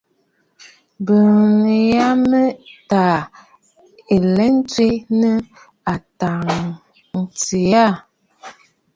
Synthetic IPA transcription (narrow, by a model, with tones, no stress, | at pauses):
bə˨lja˦mə˦ta˨ | e˨lɛ˦n̩˦twi˦nə˦ | a˨ta˨ŋ | n̩˨ti˨ja˦˨